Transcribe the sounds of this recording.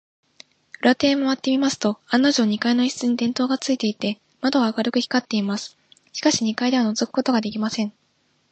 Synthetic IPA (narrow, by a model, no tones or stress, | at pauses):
ɯ̟ɾat̪e̞ːmoβat̪ːe̞mʲimasɨ̥t̪o̞ãnːoʑoːɲ̟ikaino̞içi̥t͡sɨɲ̟id̪ẽ̞nt̪o̞ːɡat͡sɨit̪e̞it̪e̞ | mad̪o̞βaːkaɾɯ̟kɯ̟çʲi̥kat̪ːe̞imasɨ̥ | ɕi̥kaɕiɲ̟ikaid̪e̞βano̞zokɯ̟̥ko̞t̪o̞ɡad̪e̞kʲimasẽ̞ɴ